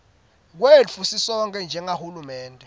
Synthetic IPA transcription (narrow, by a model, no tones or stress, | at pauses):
k̬wefusisɔŋkʼɛnd͡ʒʱɛŋahulumɛːntʼɛ